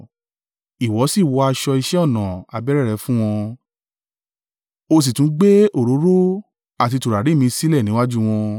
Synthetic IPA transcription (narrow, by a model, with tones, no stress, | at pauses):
i˨wɔ˨˦si˦˨wɔ˧a˧ʃɔ˧i˧ʃɛ˦ɔ˦˨nã˨a˨bɛ˦ɾɛ˦˨ɾɛ˧˦fũ˦w̃ɔ̃˧ | o˧s̬i˨tũ˨˦ɡ͡be˦o˦˨ɾo˨˦ɾo˦ | a˦˨ti˧tu˨ɾa˨ɾi˨˦˨mĩ˧si˦lɛ˦˨nĩ˨˦wa˦d͡ʒu˦w̃ɔ̃˧